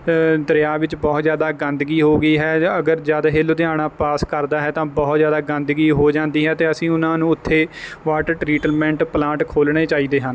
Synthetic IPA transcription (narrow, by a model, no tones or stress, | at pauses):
d̪əɾjaːʋɪt͡ʃbɔːt̪zjaːd̪aːɡənd̪ɡiːɦoːɡəiːɦɛːəɡəɾd͡ʒaːd̪aɦeːloːd̪eaːɽãːpaːskəɾd̪aːɦɛːt̪ãːbɔːt̪zjaːd̪aːɡə̃nd̪ɡiːɦoːd͡ʒãːnd̪iːɦɛːt̪eːəsĩːʊnãːnũːʊt̪ʰːeːʋaːʈəʈɾiːʈəlmɛ̃ːɳʈplãːʈkʰoːlɽ̃eːt͡ʃaːiːd̪eːɦən